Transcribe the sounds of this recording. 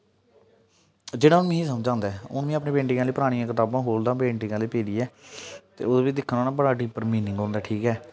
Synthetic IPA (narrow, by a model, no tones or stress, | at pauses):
d͡ʒeːɽãːʊnːmĩĩːsəmd͡ʒãːnd̪aːʊ̰nʋĩːəpneːpẽːɳʈɪŋãːleiːpəɾaːɽ̃ɪjãːkɪt̪aːbãːɦoːld̪ãːpẽːɳʈɪŋãːliːpeːɾiːɛːt̪ḛːʊdːʋiːd̪ɪkʰːənaːnaːbəɽaːɖiːpəɾmiːnɪ̃ŋɡõːnd̪aːʈʰiːkɛː